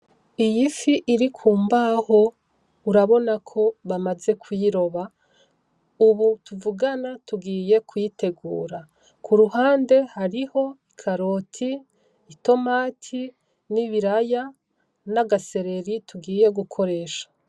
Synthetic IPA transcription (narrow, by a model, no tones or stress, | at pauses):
ijifiʔiɾikʰuːmbaho̞ | uɾaβo̞nakʰo̞βamaze̞kwiɾo̞βa | uβutuvuɡanatuɡiːje̞kʰwjite̞ɡṵːɾa | kʰuɾuɦaːnde̞haɾiho̞ikʰaɾo̞tʰiː | to̞maːtʰi | niβiɾaja | naɡase̞ɾe̞ɾituɡiːje̞ɡukʰo̞ɾe̞ːʃḁ